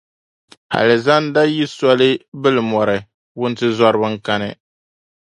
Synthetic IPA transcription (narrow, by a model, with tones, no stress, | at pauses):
a̰˨lɛ˨za˦n˦da˦ji˦sɔ˦lɨ˦bɨ˦lɨ˨mɔ˨ɾɨ˨ | wʊ˦n˦tɨ˦zɔ˦ɾɨ˦bɨ˦ŋka˦nɨ̰˦˨